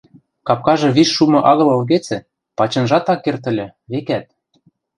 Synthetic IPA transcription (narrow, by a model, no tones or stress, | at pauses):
kɑp̚kɑʒɤ̆βiʃʃumɤ̆ʔɑɣɤ̆lɤ̆lɣet͡sɘ̆ | pɑt͡ɕɤ̆nʒɑt̪ɑkːert̪̬ə̆lʲɘ̆βekæt̪̚